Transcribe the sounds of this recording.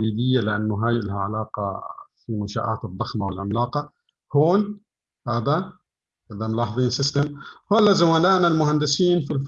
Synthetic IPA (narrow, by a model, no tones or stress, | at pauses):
iːd̪ɪjːalɪʔanːʊɦaːjɪlɦaʕalaːqɑ̰fimʊʃa̰ːʔa̰ːt̪ɨd̪ˤːɑxmawɪlʕɪmlaːqɑ | hoːn | haːd̪a | had̪amʊlɑːħɑðˤiːnsɪst̪amhoːlːazamaːnaːʔnalmʊhand̪ɪsiːnfilf